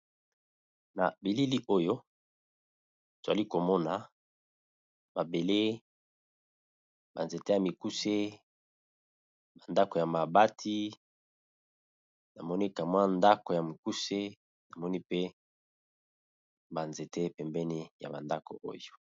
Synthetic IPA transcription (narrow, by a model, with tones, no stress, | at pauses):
na̰˨bi˨li˦li˦ʔo˦jo˦ | to˨za˨li˦ko˨mɔ˦na˨ | ba˨be˨le˦ | ba˨nze˨te˦ja˨mi˨ku˦se˦ | ba˨nda˦ko˨ja˨ma˨ba˦tʰi˦ | na˨mɔ˦ni˦ka˨mwa˦nda˦ko˨ja˨mi˨ku˦se˦ | na˨mɔ˦ni˦pe˦ | ba˨nze˨te˦pɛ˨mbɛ˦ni˦ja̰˨ba˨nda˦ko̰˨ʔo̰˦jo˨